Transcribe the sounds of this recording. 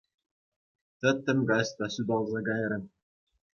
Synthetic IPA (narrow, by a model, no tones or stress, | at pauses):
t̪ɤ̆t̪ːɘ̆mɡɑst̪ɑsyd̪ɑlˠzɑɡɑj̆ɾɘ̆m